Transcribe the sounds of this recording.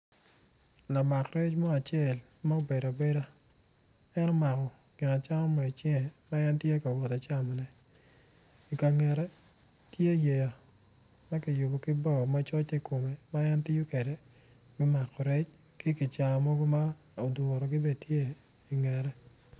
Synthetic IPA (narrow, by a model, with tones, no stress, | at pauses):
la˨ma˨kɾɛ˦t͡ʃmɔ˦a˨t͡ʃɪe˨l | ma˦o˦be˨da˨be˦da˦ | ɛ˦nɔ˦ma˨kɔ˨ | ɡ̥ɪ˨na˨t͡ʃa˦ŋɔ˦mɔ˨t͡ʃɪ˦ŋɛ˨ma˦ja˦ntje˦ka˨wɔ˨ta˨t͡ʃa˦mɔ˨nɛ˨ | i˨ka˨ŋɛ˨ɾɛ˦ | tje˦je˨ja˨ | ma˦kɪ˨jʊ˨bɔ˨kɪ˦bɔ˦˨ma˦t͡ʃɔ˦t͡ʃe˦ko˨me˨ma˦ja˦nti˦jo˦ke˨de˨ | ɡɪ˦ma˨kɔ˨ɾɛ˦t͡ʃ | ki˦kɪ˨t͡ʃa˨mɔ˦ɡo˦ma˦ | o˨dwɔ˨ɾɔ˨ɡɪ˦be˦˨dtje˦˨ | i˨ŋɛ˨ɾɛ˦